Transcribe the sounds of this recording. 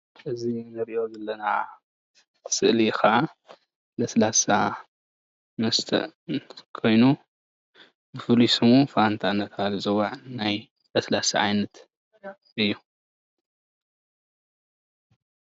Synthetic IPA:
ʔɨzinɨɾiʔo̞zɐlːɐna | sɨʔlikʰaʕa | lɐslasa | mɐst̪ʰɐ̰ʔkʰo̞jnu | bɨfɨlusɨmufant̪ʰanːɐt̪ʰalɨzɐwaʕnaj | lɐslasa̰ʕa̰jnɐt̪ | ʔɨjːu

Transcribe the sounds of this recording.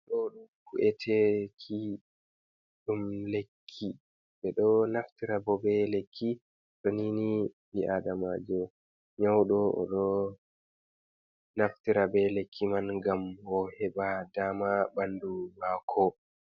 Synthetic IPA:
ɗɔɗumkuʔɛtʰɛkʰːi | ɗumlekʰːi | bɛɗɔnaftiɾabɔbɛlekʰːi | toninibiʔadamaːd͡ʒɔ | ɲawɗɔʔɔ̰ɗɔ | naftiɾabɛlekʰːimanɡamɔhɛɓadaːmabandulaːkʰɔ

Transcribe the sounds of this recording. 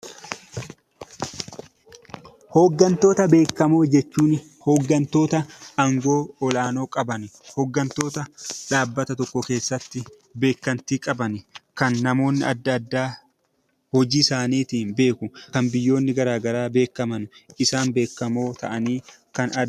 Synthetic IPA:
hɔɡːɐnt̪o̞ːt̪ɐbe̞ːkːɐmo̞ːd͡ʒɛt͡ʃːuːn | hɔɡːɐnt̪o̞ːt̪ɐɐŋɡo̞ːɔlaːno̞ːkʼɐbɐnɪhɔɡːɐnt̪o̞ːt̪ɐᶑaːbːɐt̪ɐt̪ɔkːɔke̞ːsːɐt̪ːɪ | be̞ːkːɐnt̪iːkʼɐbɐnɪkɐnːɐmo̞ːnːɪɐd̪ːɐd̪ːaː | hɔd͡ʒiːsaːniːt̪iːnbe̞ːkʊkɐnbɪjːo̞ːnːɪɡɐɾaːɡɐɾaːbe̞ːkːɐmɐnʊɪsaːnbe̞ːkːɐmo̞ːt̪ʰɐ̰ʔɐniː | kɐnɐ

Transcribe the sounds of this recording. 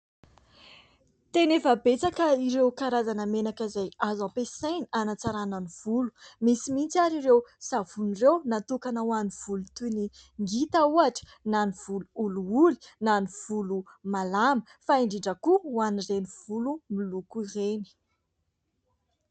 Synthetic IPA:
t̪enefəbet͡sakəiɾewkaɾazanəmenakəzajazapesajnianat͡saɾanəniv̥ulu̥misimint͡saɾiɾewsavunirewnat̪ukanawaniv̥ulut̪uniŋɡit̪auaʈ͡ʂə̥ | naniv̥uluuluuli̥naniv̥ulu | malamə | faiɳɖ͡ʐiɖ͡ʐəkuwanireniv̥ulumilukuireni̥

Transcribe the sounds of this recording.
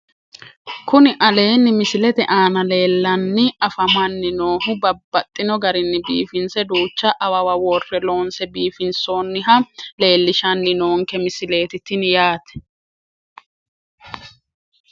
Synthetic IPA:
kʊnɪʔɐle̞ːnːɪmɪsɪlɛt̪ɛʔaːnɐle̞ːlːɐnːɪɐfɐmɐnːɪnoːɦʊbɐbːɐt̪ʼːɪnɔɡɐɾɪnːɪbḭːfɪnsɛd̪uːt͡ʃːɐʔɐwɐwɐwɔrːɛlo̞ːnsɛbiːfɪnso̞ːnːɪɦɐle̞ːlːɪʃɐnːɪnoːŋkɛmɪsɪle̞ːt̪ɪt̪ɪnjaːt̪ɛ̥

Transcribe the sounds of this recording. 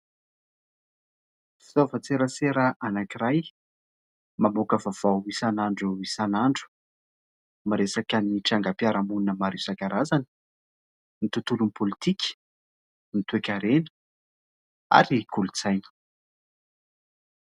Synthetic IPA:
fi̥t̪ovat͡seɾəseɾəʔanakiɾaj | mamokəvav̥awisanaɳɖ͡ʐuisanaɳɖ͡ʐu̥ | maɾesakəniʈ͡ʂaŋɡapjaɾamununəmaɾisakaɾazanə̥ | nit̪ut̪ulunpolit̪ikʲ | nit̪uekʲaɾenə̥ | a̰ɾikulut͡sajnə̥

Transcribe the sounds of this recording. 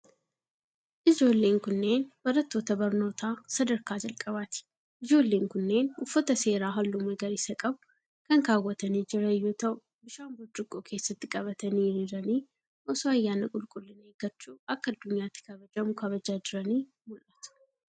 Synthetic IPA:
ʔɪd͡ʒo̞ːlːeːŋkʊnːe̞ːnbɐɾɐt̪ːo̞ːt̪ɐbɐɾno̞ːt̪ʰaːsɐd̪ɐɾkaːd͡ʒɐlkʼɐbaːt̪ɪ̥ | ɪd͡ʒo̞ːlːe̞ːŋkʊnːe̞ːnʊfːɐt̪ɐse̞ːɾaːɦɐlːʊmeɡɐɾɪsɐkʼɐb | kɐŋkaːwːɐt̪ɐniːd͡ʒɪɾɐjːut̪ɐʔʊ | bɪʃambʊd͡ʒːʊkʼːoːkʰe̞ːsːɐt̪ːɪkʼɐβɐt̪ɐniɾiːɾɐniː | ʔɔsoːɐjːaːnɐkʼʊlkʼʊlːɪnɐeɡ̥ɐt͡ʃʼːuːɐkːɐɐd̪ːʊɲjaːt̪ːɪ̥kɐbɐd͡ʒɐmʊkʰɐβɐd͡ʒaːd͡ʒɪɾɐniː | mɔlʔɐt̪ʊ̥

